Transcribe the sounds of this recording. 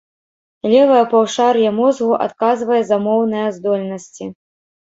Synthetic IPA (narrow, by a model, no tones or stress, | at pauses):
lʲɛvɐjɐpawʂarjɐmɔzɣuʔa̰t̪̚kazvɐjɛzamɔwnɨjɐzd̪ɔlʲnɐsʲt͡sʲi